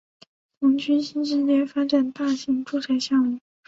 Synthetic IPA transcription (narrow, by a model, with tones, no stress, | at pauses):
t̪ʰʊ˧˥ŋt͡ɕʰy˥nɕi˥nʂ̬ɻ̩˥˧lɛ˥˩fa˥ʈ͡ʂa˨˩nt̪a˥˩ɕi˧˥ŋʈ͡ʂu˥˧t͡sʰa˥˩ɪɕjɑ˥˩ŋmi˥˩˦